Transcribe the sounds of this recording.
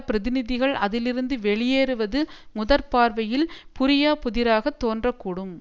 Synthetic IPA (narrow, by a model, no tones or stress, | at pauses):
pɪɾɐðɪnɪðɪɣɐɭʔɐðɪlɪɾɯnd̪ɯʋɛɭɪjeːɾɯʋɐðɯmʊðɐɾpaːɾʋɐjɪlpʊɾɪjaːpʊðɪɾaːɣɐt̪ːoːndrɐkːuːɽɯm